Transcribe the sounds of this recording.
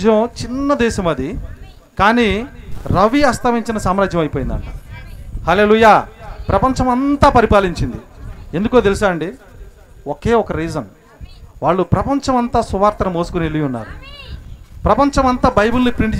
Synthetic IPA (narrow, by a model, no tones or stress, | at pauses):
d͡ʒɐmt͡ʃinːɐd̪ɛːʃɐmɐd̪i | kaːniːɾɐʋiɐst̪ʰɐʋiɲt͡ʃinɐsaːmɾaːd͡ʒjɐmɐjpoːjind̪ɐ̰ɳʈɐhɐle̞ːluːjaːpɾɐpɐɲt͡ʃɐmɐnt̪aːpɐɾipaːliɲt͡ʃind̪ie̞nd̪ukoːt̪̬elusaːɾɐɳɖi | oke̞ːɔkɐɾiːzɐn | ʋaːɭːupɾɐpɐɲt͡ʃɐmɐnt̪aːsuʋaːɾt̪ɐɾɐmoːsu̥kunielijunːa̰ːɾṵ | pɾɐpɐɲt͡ʃɐmɐnt̪aːbɐjbulnipɾiɳʈ